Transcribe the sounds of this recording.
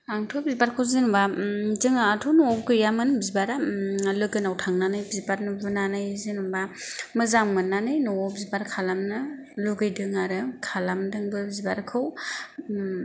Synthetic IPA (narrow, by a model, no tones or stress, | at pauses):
aŋtʰɔbizibaɾkʰɯwzɯnumbazɯŋaːtʰɔwnɔɔkɯjamɯnbizibaɾalɯɡɯnawtʰaŋnanɯjbizibaɾnubunanɯjzɯnumba | mɯzaŋmɯnːanɯjnɔɔbizibaɾkʰalamnɯ | luɡɯjdɯŋaɾɯkʰalamdɯŋbɯbzibaɾkʰɯw